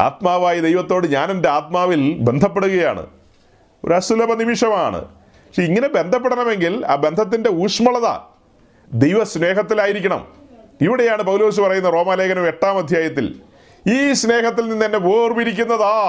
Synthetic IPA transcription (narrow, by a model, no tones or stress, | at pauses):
a̰ːt̪maːʋaːjid̪e̞jʋɐt̪ːo̞ːɽɨɲaːnende̞aːt̪̚maːʋilbe̞nd̪ʱɐpːeɽuɣɐja̰ːɳɨ̰ | o̞̰ɾɐsulɐbɐnimiʂɐmaːɳɨ̰ | ɐʂiiŋːɐne̞be̞nd̪ʱɐp̬ːeɽɐɳɐme̞ŋɡila̰ːbe̞nd̪ʱɐt̪̬ːinde̞uːʂmɐɭɐðɐ̰ | d̪e̞jʋɐsne̞ːɦɐt̪̬ːilaːjiɾikʲːɐɳɐ̰m | iʋiɽe̞jaːɳɨpɐwlo̞ːs̬upɐrɐjunːɐro̞ːmaːle̞ːkɐnɐmeʈːaːmɐd̪ʱjaːjɐt̪ːḭl | iːsne̞ːɦɐt̪ːilninːɐnːepoːrmiɾik̬ʲːunːɐðaː